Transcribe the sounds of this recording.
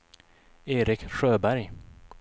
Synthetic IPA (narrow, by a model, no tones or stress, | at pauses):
eːɾɪkɧøːbæɾj